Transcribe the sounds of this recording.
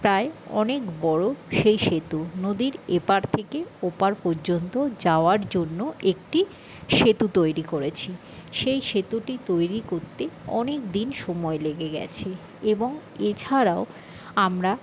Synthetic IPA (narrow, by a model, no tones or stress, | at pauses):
pɾaeɔ̰nekbɔɽoʃejʃet̪unod̪iɾepaɾt̪ʰekeopaɾpɔɾd͡ʑont̪od͡ʑaoaɾd͡ʑonːoek̚ʈi | ʃet̪ut̪ojɾikoɾet͡ɕʰi | ʃejʃet̪uʈit̪ojɾikoɾt̪eɔ̰nekd̪inʃɔmɔeleɡeɡɛ̰t͡ɕʰe | eboŋ | et͡ɕʰaɾao | amɾa